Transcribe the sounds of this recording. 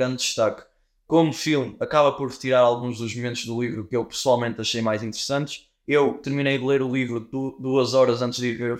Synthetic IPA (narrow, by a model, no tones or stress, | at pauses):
ɾɐ̃nd̪d̪ɨʃt̪ak | komufilˠmɐkaβɐpɔɾt̪iɾaɾalˠɣũʒðuʒmumẽnt̪uʒðulˠivɾukewpɨ̥swalˠmẽnt̪ɐʃejmajzĩnt̪ɨɾɨsɐ̃nt̪ʃ | ewt̪ɨɾminejðɨlˠeɾulˠivɾuðuɐzɔɾɐzɐ̃nt̪ʒðiiveɾ